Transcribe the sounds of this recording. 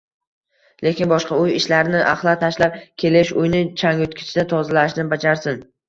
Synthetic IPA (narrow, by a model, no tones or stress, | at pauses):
le̞kʲɪnbɒʃqɑʊjɪʃlaɾnɪʔa̰χlˠat̪ʰaʃlap̚kʲʰe̞lɪʃʊjnɪt͡ʃʰaŋʊt̪kʲʰɪ̥t͡ʃʰɪd̪at̪ʰɒzalaʃnɪbad͡ʒaɾsɪn